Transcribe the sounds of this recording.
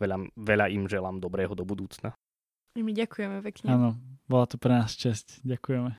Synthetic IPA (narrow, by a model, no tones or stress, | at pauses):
ɛʎamʋɛʎaimʒɛlaːmd̪ɔbɾɛːɦɔd̪ɔbud̪uːt͡sna | imiɟakujɛmɛpɛkɲɛaːnɔbɔlat̪ɔpɾɛnaːst͡ʃɛscɟakujɛmɛ